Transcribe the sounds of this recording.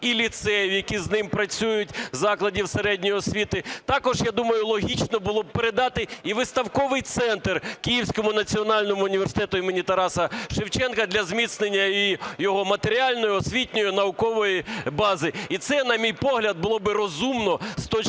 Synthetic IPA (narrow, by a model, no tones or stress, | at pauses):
ilʲit̪sɛjjɐkʲiznɪmpɾɐt͡sʲujʊtʲzɑklˠɐdʲiwseɾɛdʲnʲijiɔsʲʋʲit̪ɪt̪ɑkɔʒjɑd̪umɐjʊlˠɔɦʲit͡ʃnɔbʊlˠɔb̚peɾed̪ɑt̪ɪiʋɪst̪ɐwkɔʋɪjt̪sɛnt̪rkʲijiwsʲkɔmʊnɐt͡sʲiɔnɑlʲnɔmʊːnʲiʋersɪ̥t̪ɛt̪ʊimenʲit̪ɐɾɑsɐʃɪwt͡ʃɛnkɐd̪lʲɐzmʲit̪snenʲːɐjjijɔɦɔmɐt̪eɾʲiɑlʲnɔjʊɔsʲʋʲitʲnʲɔjʊnɐʊkɔʋɔjibɑzɪit̪sɛnɐmʲijpɔɦlʲɐd̪̚bʊlˠɔbɪɾɔzumnɔst̪ɔt͡ʃ